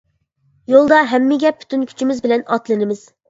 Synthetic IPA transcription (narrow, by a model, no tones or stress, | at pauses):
jolˠd̪ɑɦɛmːɪɡʲɛpʰːy̥t̪ʰynkʲʰy̥t͡ʃʰimɪzbɪlɛnɑt̪lˠɨnɪmɪz̥